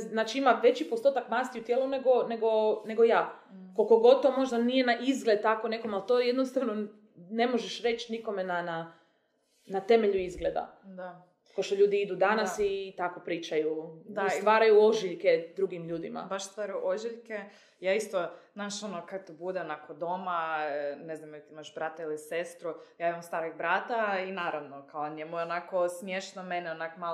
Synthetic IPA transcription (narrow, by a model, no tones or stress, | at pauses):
znaːt͡ʃiimaʋe̞t͡ɕipo̞st̪ot̪akmaːst̪iut̪jelˠune̞ɡone̞ɡo̞ne̞ɡojaː | kolkoɡo̞d̪̚t̪o̞mo̞ʒd̪anije̞naʔizɡled̪̚t̪akoneko̞malt̪oːjed̪nost̪aʋno | ne̞mo̞ʒeʃɾe̞t͡ʃniko̞me̞nana | nat̪e̞me̞ʎuizɡled̪a̰d̪a | po̞ʃt̪o̞ʎuːd̪iid̪ud̪anasit̪ako̞pɾiːt͡ʃajuasʋaːɾajuo̞ʒiʎke̞d̪ɾuɡimʎuːd̪ima̰baʃst̪ʋaːɾjuʔoʒiʎke | jaːist̪oznaʃonokakt̪ibud̪enakod̪omaneznamjɛt̪iimaʃbɾat̪ailˠisest̪ɾujaːimamst̪aːɾoɡbɾat̪ainaːɾaʋnokaoɲjemujeonakosmjeʃtnomenɛonakoma